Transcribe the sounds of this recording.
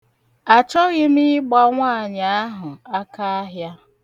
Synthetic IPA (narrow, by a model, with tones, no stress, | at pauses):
a˨t͡ʃɔ˦ɣɪ˦mi˦ɡ͡ba˦ŋʷaː˦˨ɲa˨a˦ɦʊ˨a˦ka˦a˦ɦja˦